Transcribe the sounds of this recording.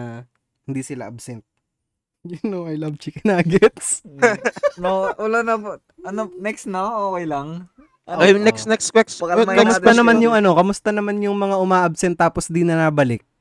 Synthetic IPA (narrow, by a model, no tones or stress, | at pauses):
a | hɪnd̪iːsɪla̰ʔɐbsɛnt̪̚ | jʊnowɐjlɐbt͡ʃɪkɪnaːɡɛt̪s | noʔʊlɐnɐb | ɐnonɛksnoʔoːkɛjlɐŋ | ʔɐjnɛksnɛkskwɛksɐmɐkɐmʊd̪ɐnɐmanjʊŋʔɐno̞kɐmʊst̪ɐnɐmanjʊŋmɐŋaʔʊmaːʔɐbsɛnt̪ːaːposd̪inɐnaːbɐlɪk̚